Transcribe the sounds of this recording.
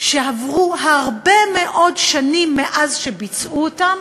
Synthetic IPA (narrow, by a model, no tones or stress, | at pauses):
ʃeavʁuɦaʁbe̞meʔo̞dʃanimːeʔazʃebit͡sʔuotam